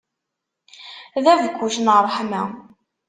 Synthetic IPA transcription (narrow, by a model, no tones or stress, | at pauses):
ðævkʷːuʃnəʁɾˤħmæ̰